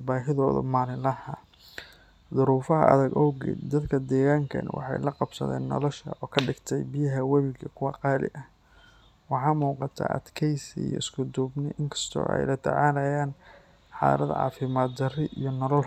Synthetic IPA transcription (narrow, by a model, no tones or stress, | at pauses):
baːɦɪðɔːðɔ̰maːlɪlɐhɐ | ðʊɾuːfɐɦɐ̰ʔɐ̰ðɐɡɔːɡɛ̰d̪ɐd̪kʰɐd̪ɛːɣaːŋkʰɐ̰nwʔɑ̰ħɑjlɐqɑbsɐ̰ðɛ̰ːnːɔ̰lɔʃɐ̰ʔɔːkʰɐɖɪɡt̪ʰɛjbɪjɐɦɐwɛβɪɡʰɐkʰʊwɑqɑːlɪ̰ʔɐ | wɑħɑːmuːqɑt̪ʰa̰ːʔɐ̰d̪kʰɛjsḭjɔ̰ɪskʰʊd̪ɔːbnɪʔɪŋkʰɐ̥st̪ʰɔ̰ːʔɛ̰jlɐt̪ʰɛ̰ʕaːlɐjaːn | ħɑ̰ːɾɐðʕɑ̰ːfɪmaːd̪d̪ɐrɪʔijɞnɔlɔl